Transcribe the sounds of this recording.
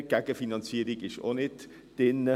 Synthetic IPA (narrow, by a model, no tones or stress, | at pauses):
ɡ̥ɛɡ̥əfinɑnt͡siːəɾiɡɪʃo̰nɪt | d̥ɪnːə